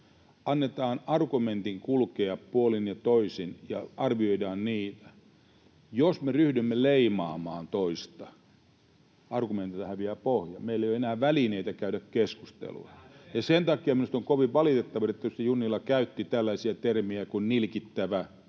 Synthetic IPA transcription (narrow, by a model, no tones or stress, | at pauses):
ɑnːet̪ɑːnɑrkument̪iŋkulkeːɑppuolinjɑt̪oisinjɑ̰ɑrʋioidɑːnniːt̪æ̥ | josmeryhdymːeleimɑːmɑːnt̪oist̪ɑ | ʔɑrɡument̪it̪ɑhæʋʋiæpohjɑmeilːeˑijoenæːʋælineit̪ækæydækkeskust̪ḛlṵɑ̰jɑsent̪ɑkiɑminust̪oŋkoʋiʋʋɑlit̪et̪ːɑʋɑet̪ːæost̪junːilːɑkæyt̪ːit̪ælːæisiæt̪ermiækunnilkit̪ːæʋæ